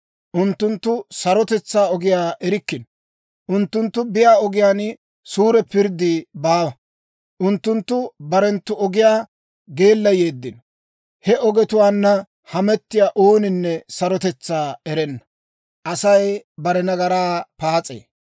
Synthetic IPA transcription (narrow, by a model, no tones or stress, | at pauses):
ʔʊnt̪ːʊnt̪ːʊsɐɾɔt̪ɛt͡sːaːɔɡɪjaːʔɛɾɪkːɪn | ʔʊnt̪ːʊnt̪ːʊbɪjaːɔɡɪjaːn | suːɾɛpɪɾd̪ɪbaːwɐ | ʔʊnt̪ːʊnt̪ːʊbɐɾɛnt̪ːʊʔɔɡɪjaː | ɡeːlːɐje̞ːd̪ːɪn | hɛʔɔɡɛt̪ʊwaːnːɐ | hɐmɛt̪ːɪjaːʔuːnɪnːɛsɐɾɔt̪ɛt͡sːaːɛɾɛnːɐ̥ | ʔɐsɐjbɐɾɛnɐɡɐɾaːpaːt͡sʼḛː